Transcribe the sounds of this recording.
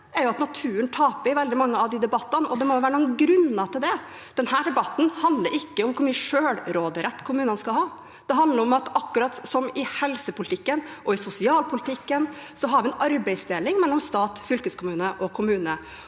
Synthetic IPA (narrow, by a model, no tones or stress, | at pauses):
ɛɾjʊɑt̪nɑt̪ʰʉːənt̪ʰɑːpəɪʋɛld̪ɪmɑŋːəɑʋd̪ɪd̪ɛbɑt̪ːənʔɔd̪ɛmɔʊʋæːɾənuːnɡɾʉnːɑt̪ʰɪld̪ɛ | d̪̥ɛnhæːɖɛbɑt̪ːn̩hɑnd̪ləɾɪkːəʊmkʰʊmʉʂøːlɾoːd̪əɾɛt̪ːkʰʊmʉːnənəskɑlhɑː | d̪̥ɛɦɑnd̪ləɾɔmɑt̪ɑkːʉɾɑt̪sɔmɪhɛlsəpʊlɪt̪ɪkːənʔɔɪsʊsɪɑːlpʰʊlɪt̪ʰɪkːənsɔɦɑɾʋɪɛnʔɑɾbɛɪsd̪eːlɪŋmɛlːɔmst̪ɑːt̪fʏlkəskʰʊmʉːnəʔɔkʰʊmʉːnə